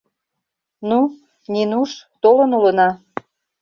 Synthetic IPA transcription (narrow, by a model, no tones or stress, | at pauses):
nu | ninuʃt̪olənulənɑ